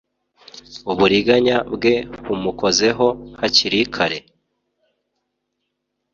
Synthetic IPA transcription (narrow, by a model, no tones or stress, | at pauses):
uβuɾiɡaɲabɡe̞βumuko̞ze̞ɦo̞haciɾikʰaɾe̞